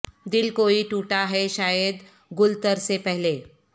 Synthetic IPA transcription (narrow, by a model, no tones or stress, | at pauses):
d̪ilkoiːʈuʈaɦeʃajəd̪ | ɡult̪əɾsepəɦle